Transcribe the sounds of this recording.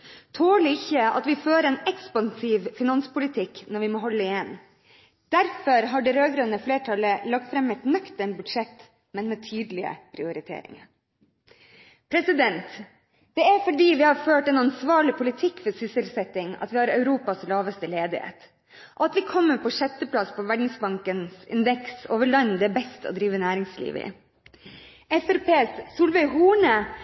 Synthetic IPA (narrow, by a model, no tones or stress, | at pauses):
t̪ʰoːɭɪɪçːəɑ̰t̪ʋɪføːɾəɛːnɛkspɑnsiːʋfɪnɑnspʊlɪt̪ʰɪkːnɔɾʋɪmɔːɦɔlːəɪjɛnː | d̪̥æɾfɔɾɦɑɖɛɾøːɡɾønəfleːʈʰɑləlɑɡ̚t̪fɾɛmːɛt̪nœkt̪ɛnbʉd̪ʂɛt̪ː | mɛnmɛt̪ʰyːd̪lɪə̰pʰɾɪʊɾɪt̪ʰḛːɾɪ̰ŋɑ̰ɾ | pʰɾɛsɪd̪ɛnt̪ | d̪̥ɛæɾfɔɖiːʋɪhɑɾføːʈɛnɑnsʋɑːɭɪpʰʊlɪt̪ʰɪkːfɔɾsʏsəlsɛt̪ːɪŋɑ̰t̪ʋɪhɑɾœʉɾuːpɑslɑːʋəst̪əleːd̪ɪhḛːt̪ | ʔɔɑt̪ʋɪkʰɔmːəpʰɔʂɛt̪ːəpʰlɑspʰɔʋæɖnɪŋsbɑŋkənsɪ̰nd̪ɛksoːʋəɭɑnːd̪ɛæbɛst̪ɔ̰d̪ɾiːʋənæːɾɪŋslḭːʋəɪ̰ | ɛfɛɾpʰeːssuːlʋɛɪɦuːɳə